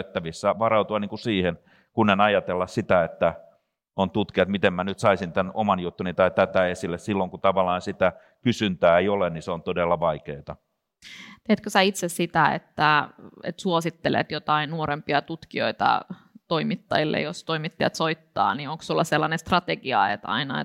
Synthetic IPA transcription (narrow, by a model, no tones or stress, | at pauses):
t̪ːæʋisːæʋɑɾɑut̪uɑniːŋkusiːhen | kunenɑjɑt̪elːɑssit̪æet̪ːæ | ont̪ut̪kiɑt̪mit̪emmænyt̪sɑisint̪ænomɑnjut̪ːunit̪ɑit̪æt̪æesilːessilːoŋkut̪ɑʋɑlɑːnsit̪æ | kysynt̪æːeioleniseont̪odelːɑʋɑikeːt̪ɑ | t̪et̪køsæit̪sessit̪æḛt̪ːæḛt̪suosit̪ːelḛt̪jot̪ɑinnuoɾempiɑt̪ut̪kio̞̰it̪ɑ̰ | t̪oimit̪ːɑjilːḛjost̪oimit̪ːɑjɑ̰t̪soit̪ːɑ̰ːnioŋkssulːɑselːɑnest̪rɑt̪eɡiɑ̰ḛt̪ɑ̰inɑḛ